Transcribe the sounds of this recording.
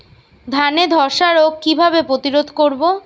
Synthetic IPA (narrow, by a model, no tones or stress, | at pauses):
d̪ʱaned̪ʱɔɾʃaɾokkːibʱabepɾot̪iɾod̪ʱkoɾbo